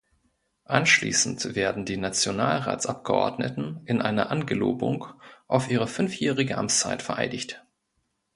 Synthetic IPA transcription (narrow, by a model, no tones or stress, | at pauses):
ʔanʃlḭːsn̩tv̥eːɐdn̩diːnat͡sjonaːlʁa̰ːt͡sʔap̚ɡ̥əʔɔ̰ɐdnə̰tn̩ɪnʔaɪnɐ̰ʔanɡəlo̰ːbʊ̰ŋkʔaʊfʔiːʁ̞əfʏnfjɛːʁɪɡəʔa̰mt͡st͡sa̰ɪtfɛɐʔa̰ɪdɪçt